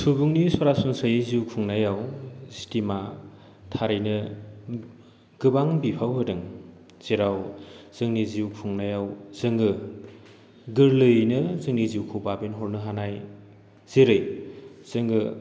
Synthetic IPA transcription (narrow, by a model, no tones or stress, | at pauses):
sʰubuŋnisɔɾasunsajziukʰuŋnajawsi̥tima | tʰaɾɯjnɯ | ɡ̥ɯbaŋbipʰawɦɯdɯŋ | z̥eɾawz̥ɯŋniziwkʰuŋnajawz̥ɯŋɡɯ | ɡɯɾlɯjnɯzɯŋniziwkʰubabinɦɔɾnɯɦanaj | z̥iɾɯjz̥ɯŋɡɯ